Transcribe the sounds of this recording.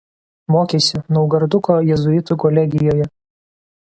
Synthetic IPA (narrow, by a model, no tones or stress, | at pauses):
moːkʲeːsʲɪnɔʊɡɐɾd̪ʊkoːjɛzʊɪt̪ʊkɔlʲɛɡʲɪjoːjɛ